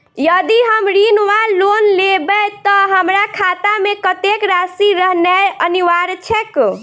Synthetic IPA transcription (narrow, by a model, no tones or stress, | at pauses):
jəd̪iɦəmɾinʋalonlebɛt̪ɔɦəmɾakʰat̪amekət̪ekɾasiɾəɦnɛəniʋaɾt͡ʃʰɛk